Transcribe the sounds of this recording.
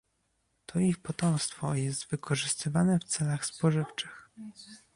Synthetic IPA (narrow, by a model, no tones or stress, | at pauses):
t̪ʰɔixpɔt̪ɔmst̪fɔjɛst̪vɘkʰɔʐɘst̪ɘvanɛft̪sɛlaxspɔʐɘft͡ʂɘx